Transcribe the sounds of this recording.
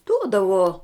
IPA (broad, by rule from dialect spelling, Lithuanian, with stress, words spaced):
ˈduɔdɐʋoː